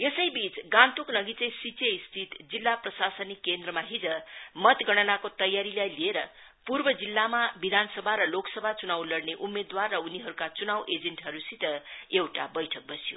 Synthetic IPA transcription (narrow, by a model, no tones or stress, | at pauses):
jesʌjbit͡sɡãnt̪uknʌɡit͡sʌ̃j̃sit͡seist̪ʰit̪d͡zilːaprʌsasʌnikːend̪rʌmaɦid͡zʌmʌt̪ɡʌɽ̃ʌnakot̪ʌjːaɾilajlieɾʌ | purbʌd͡zilːamabid̪ʱansʌbʱaɾʌloksʌbʱat͡sunawlʌɽneʔumːed̪warːʌuniɦʌɾukat͡sunawʔed͡zeɳʈɦʌɾusit̪ʌewʈabʌjʈʰʌk̚bʌsjo̰